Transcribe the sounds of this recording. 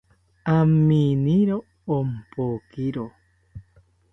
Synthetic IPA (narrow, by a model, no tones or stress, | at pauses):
amːiniɾoː | mpokiɾo